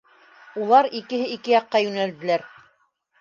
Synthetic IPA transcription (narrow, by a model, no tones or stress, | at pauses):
ulˠɑɾikɘ̆ɦɘikɘjɑqːɑjʉnæld̪ɘ̆læɾ